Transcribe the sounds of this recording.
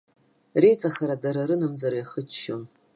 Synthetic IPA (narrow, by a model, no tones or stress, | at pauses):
rejt͡sʼaχaɾadaɾaɾɨnamd͡zaɾjaχət͡ʃʰʃon